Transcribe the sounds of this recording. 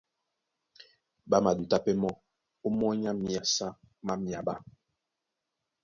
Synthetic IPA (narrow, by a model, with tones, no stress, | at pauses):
ba˦ma˨du˨ta˦pɛ˦mɔ˦ | u˦mɔ˦ɲa˦mi˨a˨sa˦ | ma˦mja˨ba˦